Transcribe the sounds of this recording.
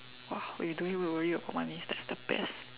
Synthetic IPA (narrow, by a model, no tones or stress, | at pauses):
wawḭduĩŋwiwəɹiəbaʊt̚manisdɛtsd̥əbɛ̰s